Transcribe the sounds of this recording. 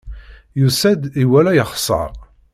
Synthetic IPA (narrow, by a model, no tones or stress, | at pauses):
jusæd̪iwælæjəχsˤɑ̰ɾˤ